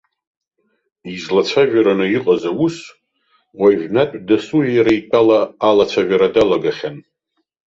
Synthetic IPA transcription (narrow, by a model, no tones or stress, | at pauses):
izlat͡sʷʰaʒᶣaɾanɨiqʼazawus | waʒʷᶣnatʷʼdasuʒjaɾaitʼalaːlat͡sʷʰaʒʷᶣaɾadalaɡaχʲan